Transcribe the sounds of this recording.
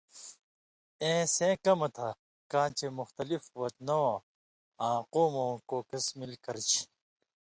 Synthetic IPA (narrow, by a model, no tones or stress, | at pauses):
ẽːsẽːkɐmɐt̪ʰa | kãːt͡ɕemʊxt̪ɐlifwɐt̪nõː | ãːquːmõːkoːkɐsmilkɐɾt͡ɕʰi̥